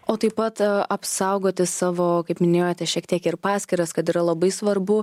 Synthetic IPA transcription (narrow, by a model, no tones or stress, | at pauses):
oːt̪ɐɪpɐt̪ɐpsɐʊɡoːt̪ʲɪsɑːʋoːkɐɪpmʲɪnʲeːjoːt̪ʲɛʃʲiɛkt̪ʲiɛkɪɾpɑːsʲkʲɪɾɐskɐt̪iːɾɐlˠɐbɐɪsʋɐɾbʊ